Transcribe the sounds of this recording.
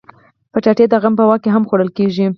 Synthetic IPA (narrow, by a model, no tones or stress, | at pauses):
pəʈaʈed̪aɣampəwɑkeɦamxoɽəlkeʒi